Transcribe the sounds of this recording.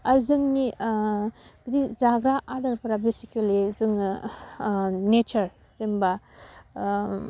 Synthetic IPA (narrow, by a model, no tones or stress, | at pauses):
aɾzɯŋni | b̥idizaɡɾaʔaɾdɐɾpaɾabesikelizɯŋ | net͡ʃɐɾ | zemba